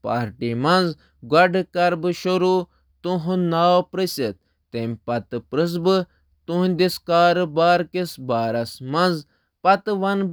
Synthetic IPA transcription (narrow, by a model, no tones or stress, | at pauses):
paːɾʈimɐnz | ɡwɐɖɨkɐɾbɨʃoɾu | t̪ũɦũnaːwpɾəsʲet̪̚ | t̪emʲpɐt̪ɨpɾɨs̬bɨ | t̪unʲd̪ʲiskaːɾɨbaːɾkisbaːɾɐsmɐnz | pɐt̪ɨʋɐn